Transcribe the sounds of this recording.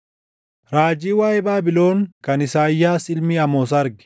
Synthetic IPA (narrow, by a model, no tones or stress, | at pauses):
ɾaːd͡ʒiːwaːjɛbaːbɪlo̞ːŋkɐnɪsaːjːaːsɪlmiːɐmoːs̬ɐɐɾɡɪ̥